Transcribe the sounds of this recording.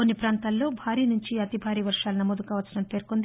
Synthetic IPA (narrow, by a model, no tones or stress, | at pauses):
onːipɾaːnt̪aːlːo̞ːbʱaːɾiːnuɲt͡ʃiɐt̪ibʱaːɾiːʋɐɾʂaːlunɐmoːd̪ukaːʋɐsːɐɽɐmpe̞ːɾkond̪